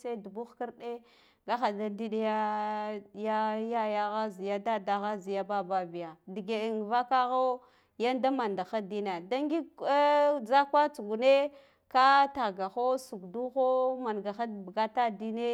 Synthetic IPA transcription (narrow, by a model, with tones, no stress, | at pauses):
sa˦du˨bu˦xki˦ɾɗe˦ | ɡa˦xa˨da˦di˦ɗi˦ja˦ | ja˦ja˦ja˦ɣa˦zi˨ja˦da˦da˨ɣa˦zi˨ja˦ba˦ba˦bi˨ja˨di˨ɡe˨i˨n˨va˦ka˦ɣo˦ | ja˦nda˦ma˨nda˨xa˦di˦na˨da˦ŋɡi˦ | d͡za˦kwa˦t͡su˨ɡu˨ne˦ | ka˦ta˨ɡa˨xo˦su˨ɡdu˦xo˦ma˨nɡa˨xa˦dbɡa˦ta˦di˦ne˦